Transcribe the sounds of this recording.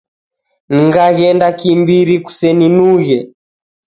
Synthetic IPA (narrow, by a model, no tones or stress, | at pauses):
niŋɡaɣɛndakimbiɾiku̥sɛninuɣɛ